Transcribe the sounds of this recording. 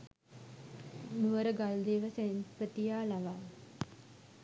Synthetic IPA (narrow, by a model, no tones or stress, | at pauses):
nuʋəɾəɡald̪eːʋəsenpət̪ijaːlaʋaː